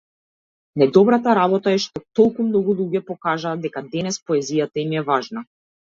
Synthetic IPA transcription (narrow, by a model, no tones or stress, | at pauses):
nɛd̪ɔbɾat̪aɾaβɔt̪aɛʃt̪ɔt̪ɔlˠkumnɔɡulˠuɟɛpɔkaʒaːd̪ɛkad̪ɛnɛspɔɛzijat̪aimɛvaʒna